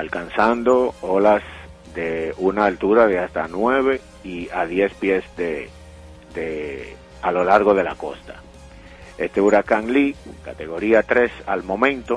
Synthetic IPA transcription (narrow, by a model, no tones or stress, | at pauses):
alkansand̪o̞o̞las | d̪eunaːlt̪uɾaðeast̪anweβ̞e̞ | iaðje̞spje̞sde | d̪e | alo̞laɾɣo̞ð̞e̞la̰ko̞̰st̪ḁ | e̞st̪e̞uɾakaŋlikat̪e̞ɣ̞o̞ɾiat̪ɾe̞sa̰lmõ̞mẽ̞nt̪o̞